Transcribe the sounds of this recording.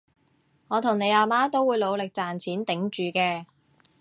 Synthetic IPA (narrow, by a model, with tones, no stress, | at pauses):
ŋɔː˨˧t̪ʰʊ˨˩ŋne˨˧jaː˨˧maː˥t̪o˥wuː˨˧jlo˨˧wlɪ˨k̚t͡saː˨˩nt͡sʰiː˨˥nt̪ɪ˨˥ŋt͡ʃyː˨˧kɛː˧